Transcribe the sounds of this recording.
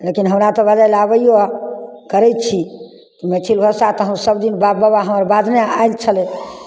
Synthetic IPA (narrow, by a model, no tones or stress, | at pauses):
lekinɦəmɾat̪ɔbəd͡ʒajlabəjokəɾɛt̚t͡ʃʰi | kimɛt͡ʃʰilbʱəsat̪ɔɦə̃ũsəbd̪inbabəbaɦəməɾbad̪ʱnea̰elt͡ʃʰəle